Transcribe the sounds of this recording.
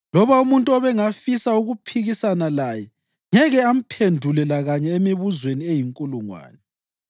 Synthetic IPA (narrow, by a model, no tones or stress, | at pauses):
lɔβaumuntʼuɔβɛŋafisauɣupʰiɣisanalajɛ | ɲɛɣɛam̩pʰendʱulɛlaɣaɲɛemiβuzweniejiŋkʼuluŋwa̰ːnɛ